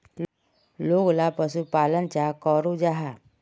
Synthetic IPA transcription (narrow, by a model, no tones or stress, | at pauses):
loːɡlapəsupaːlənt͡ʃakɔɾud͡ʒaɦa